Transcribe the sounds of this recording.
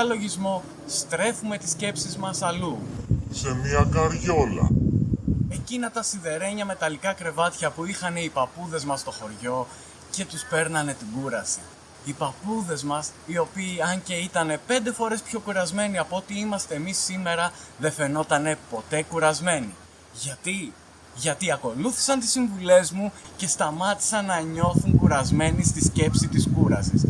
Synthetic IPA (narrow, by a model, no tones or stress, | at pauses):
ɐlo̞ʝizmo̞ | st̪ɾe̞fume̞t̪i̥sce̞psizmɐsɐluse̞miɐkɐɾʝo̞lɐ̰ | e̞cinɐt̪ɐsiðe̞ɾe̞ɲɐme̞t̪ɐlikɐkɾe̞vɐt̪çɐpuixɐne̞ipɐpuðe̞zmɐst̪o̞xo̞ɾʝo̞ | ce̞t̪uspe̞ɾnɐne̞t̪iɡuɾɐsi̥ː | pɐpuðe̞zmɐsio̞piːɐnce̞it̪ɐne̞pe̞nd̪e̞fo̞ɾe̞spço̞kuɾɐzme̞niɐpoot̪iimɐst̪e̞ːmisːime̞ɾɐðe̞fe̞no̞t̪ɐne̞po̞t̪e̞kuɾɐzme̞ni | ʝɐt̪i | ʝɐt̪iɐko̞luθi̥sɐnt̪i̥siɱvule̞zmuce̞st̪ɐmɐt̪i̥sɐnːɐɲo̞θuŋkuɾɐzme̞nist̪isce̞psit̪iskuɾɐ̰sḭs